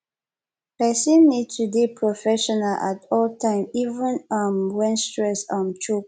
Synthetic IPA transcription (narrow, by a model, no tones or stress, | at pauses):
pɛsĩnːid̚tubipʰɹɔfɛʃɔnalʔa̰tɔltʰãɪ̃mivə̃nãmwɛ̃nstɹɛsamt͡ʃup